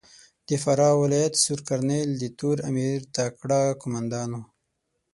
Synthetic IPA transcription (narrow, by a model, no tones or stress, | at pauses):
d̪̥əfaɾɑwɪlɑjat̪suɾkaɾneld̪ət̪uɾamiɾt̪akɽɑkʊmand̪ɑno